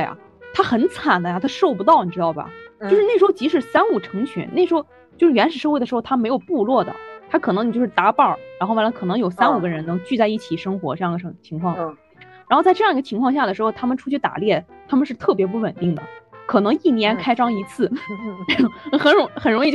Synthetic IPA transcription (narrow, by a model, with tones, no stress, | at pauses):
t̪we˥˩ɪa̰˩ | t̪ʰa˥xə˧˥nt͡sʰa˨˩nd̪ə˦ja˥˧t̪ʰa˥ʂo˥˩ʊpu˧˥t̪ɑ˥˩ʊni˨˩ʈ͡ʂɻ̩˥t̪ɑ˥˩ʊbɐ̰˩t͡ɕjo˥˧ʊʂɻ̩˥ne˥˩ʂɻxo˥˧ʊt͡ɕi˧˥ʂɻ̩˨˩sa˥nu˥˩ʈ͡ʂʰɤ˧˥ŋt͡ɕʰy̰˧˥nne˥˩ʂɻ̩˧xo˥ | t͡ɕjʂ̩˥˩ɥɛ˧˥nʂɻ̩˨˩ʂɤ˥˧xe˥˩d̪ə˩ʂɻxʊt̪ʰa˥me˧˥ɪjo˨˩ʊpu˥˧lwɔ˥˩d̪ə̰˩t̪ʰa˥kʰɤ˨˩nɤ˧˥ŋi˨˩jo˥˧ʊʂɻ̩˥˩t̪a˧˥pɑ˥˩ɻa˥nxwa˥˩la˧˥kʰɤ˨˩nɤ˧˥ŋjo˨˩ʊsa˥nu˨˩ɡə˦ɻə˧˥nnɤ˧˥ŋt͡ɕy˥˧t͡sa˥˧ɪi˥˩t͡ɕʰi˨˩ʂɤ˥ŋxwɔ̰˧˥ʈ͡ʂɤ˥˧jɑ˥˩ŋɡ̪ə˩˧˥t͡ɕʰi˧˥ŋkʰwɑ˥˩ŋ˩ | ɻa˧˥xo˥˧ʊt͡sa˥˧ɪʈ͡ʂɤ˥˧jɑ˥˧ŋi˧˥ɡə˧t͡ɕʰi˧˥ŋkʰwɑ˥˧ŋɕja˥˩d̪ə˩ʂɻ̩˧˥xo˥˧ʊt̪ʰa˥mə˨nʈ͡ʂʰu˥t͡ɕʰy˥˩t̪a̰˨˩ljɛ˥˩t̪ʰa˥mə˨nʂɻ̩˥˧t̪ʰɤ˥˩p̬jɛ˧˥p̬u˥˩wə˨˩nt̪i˥˩ŋd̪ə̰˩kʰɤ˨˩nɤ˧˥ŋi˥˩njɛ˧˥nkʰa˥ɪʈ͡ʂɑ˥ŋi˧˥t͡sʰɹ̩˥˩˥ | xə˨˩nɻʊ˧˥xə˩nɻʊ˧˥ŋi˧t͡ɕ